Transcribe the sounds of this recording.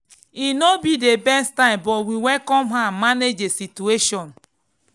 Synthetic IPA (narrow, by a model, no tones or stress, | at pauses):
inobidebɛstãɪ̃mbɔwiwɛkɔmɦamaned͡ʒesitueʃɔ̃n